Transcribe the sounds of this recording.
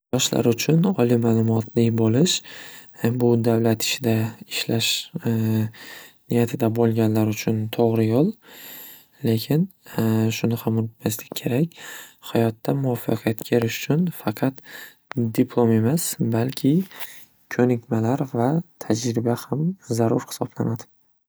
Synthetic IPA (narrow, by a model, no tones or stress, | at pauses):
jɒʃla̰ɾʊt͡ʃʰʊnɒlˠimaːlˠʊmɒt̪ʰlɪbolɪʃ | bʊd̪avlat̪ɪ̥t͡ʃɪd̪aɪʃlaʃ | nɪjat̪ʰɪd̪abolˠɡʲanlaɾʊt͡ʃʰʊnt̪ʰoʁɾɪjolˠ | le̞kʲʰɪnʃʊnɪhamʊnɪt̪maslɪkʲkʰe̞ɾakʲhajɒt̪ːamʊɒfɑqʰijat̪kʲʰeɾɪʃʊ̥t͡ʃʰʊnfɑqʰɑt̪ | d̪ɪpʰlˠome̞masbalkʲʰɪ | kʰɵnɪkʲmalaɾvat̪ʰad͡ʒɾɪbahamzaɾʊɾhɪ̥sɒb̥lanad̪ɪ